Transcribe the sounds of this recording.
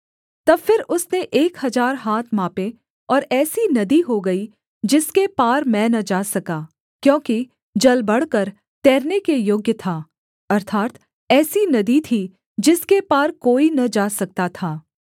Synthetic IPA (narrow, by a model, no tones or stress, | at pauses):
t̪ɐbfɪɾʊsneʔeːkhɐzaːɾɦaːt̪ʰmaːpe | ɔːɾɛːsinɐd̪iɦoɡɐi | d͡ʒɪskepaːɾmɛ̃ːnɐd͡ʒaːsɐkaː | kjõːki | d͡ʒɐlbɐɽkəɾ | t̪ɛːɾnekejoːɡjət̪ʰaː | ɐɾt̪ʰaːt̪ | ɛːsinɐd̪it̪ʰi | d͡ʒɪskepaːɾkoːinɐd͡ʒaːsɐk̚t̪at̪ʰaː